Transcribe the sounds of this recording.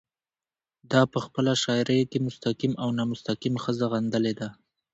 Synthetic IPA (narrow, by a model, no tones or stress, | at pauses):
d̪ɑpəxpəlaʃɑjɾajkemʊst̪aqimʔawnɑmʊst̪aqimxəzaɣand̪əled̪a